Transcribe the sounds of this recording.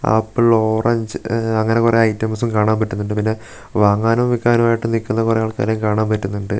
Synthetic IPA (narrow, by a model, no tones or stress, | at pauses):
ɐ̰pːɨɭoːrɐɲd͡ʑɨɐŋːɐne̞kureɐjtːɐmɐs̬umkaːɳaːmpɐtːunːuɳɖɨpinːe̞ | ʋaːŋːaːnɐʋikːaːnumaːjiʈːɨnikʲːunːɐkureaːɭka̰ːɾjɐmkaːɳaːmpɐtːunːuɳɖɨ